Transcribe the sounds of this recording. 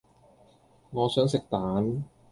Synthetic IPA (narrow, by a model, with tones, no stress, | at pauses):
ŋɔː˧sɤː˨˦˥nse˨˩k̚t̪aː˩˦n